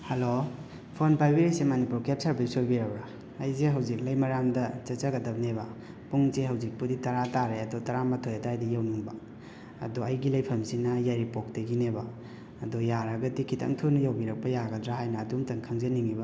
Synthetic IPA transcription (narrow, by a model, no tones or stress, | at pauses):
hɐlo | pʰonpajbiɾisemɐnipulkep̚saɾbisoɾbiɾɐbɾaː | jzeɦɐwzik̚lɐjmɐɾamdɐt͡ʃɐt͡ʃɐɡɐdɐb̚nebɐ | puŋzeɦɐwzik̚puditɐɾataɾeɐdotɐɾamɐtʰojɐtajdijawnuŋba | ɐ̰doɐjɡilɐjpʰɐmsinɐjajɾipok̚tɐɡineba | ɐdojaɾɐɡɐdikʰitʰɐ̰ŋtʰunɐjawbiɾɐk̚pɐjaɡɐdɾaɦajnɐːdumtɐŋkʰɐŋzɐniŋiba